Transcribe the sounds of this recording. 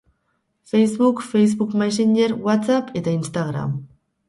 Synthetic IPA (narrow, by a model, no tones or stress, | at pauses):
fejzβukfejzβukmas̬iɲe̞ɾwat̪t͡sape̞t̪ainst̪aɣɾa̰m